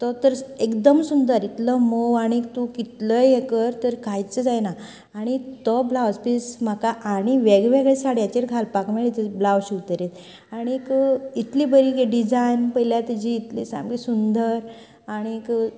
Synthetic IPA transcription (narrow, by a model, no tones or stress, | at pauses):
t̪ɔt̪əɾekd̪əmsund̪əɾit̪ləmoaɽ̃it̪ukit̪ləjekəɾt̪əɾkʰajt͡səd͡zajnaː | ɽ̃it̪ɔblaʋəspism̤akaʔːɽ̃iʋeɡʋeɡɭesaɽjat͡ɕeɾɡʱalpakmɛɭit̪əblaʋɕuʋt̪əɾet̪ | aɽ̃ikit̪liːbəɾikeɖid͡zajnpəjljat̪id͡ʑiːt̪lisa̰mɡisund̪əɾ | aɽ̃ik